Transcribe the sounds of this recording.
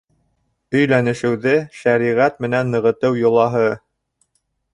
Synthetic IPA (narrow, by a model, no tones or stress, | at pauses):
ɵ̆jlænɘ̆ʃɘ̆wðɘʃæɾiʁæt̪mɘ̆nænːɤ̆ʁɤ̆t̪ɤwjŏlˠɑɦɤ